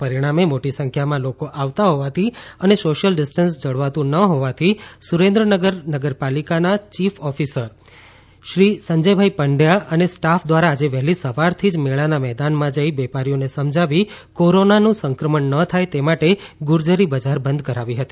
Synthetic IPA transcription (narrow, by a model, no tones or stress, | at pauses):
pəɾiɽ̃amemoʈisə̃ŋkʰjamãlokoʔaʋt̪aɦoʋat̪ʰiənesoʃəlɖɪsʈənsd͡ʒəɽʋat̪ũnəɦoʋat̪ʰisuɾẽnd̪ɾənəɡəɾnəɡəɾpalikanat͡ʃifʰɔfisəɾ | ʃɾisəɲd͡ʒəjbʱaipəɳɖjaənesʈafʰd̪ʋaɾaːd͡ʒeʋɛɦlisəʋaɾt̪ʰid͡ʒmeɭanamɛɦd̪anmãd͡ʒəiʋɛpaɾijonesəmd͡ʒʱaʋikoɾonanũsəŋkɾəməɳːət̪ʰajt̪emaʈeɡʊɾd͡ʒəɾibəd͡ʒaɾbə̃nd̪̚kəɾaʋiɦət̪i̥